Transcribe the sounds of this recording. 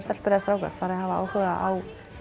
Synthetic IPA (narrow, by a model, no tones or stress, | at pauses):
sɛt̪lpɪɾɪðast̪ɾaːwka̰ɾ̥faːɾɪðhɦavaaːwhʏɣaʔaw